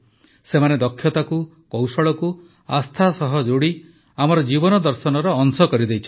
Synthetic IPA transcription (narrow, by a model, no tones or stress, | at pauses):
semaned̪ɔkʰːjɔt̪aku | kɔwsɔɭɔku | ast̪ʰasɔɦɔd͡ʒoɽi | amɔɾɔd͡ʒibɔnɔd̪ɔɾsɔnɔɾɔːŋsɔkɔɾid̪ejt͡ʃʰɔ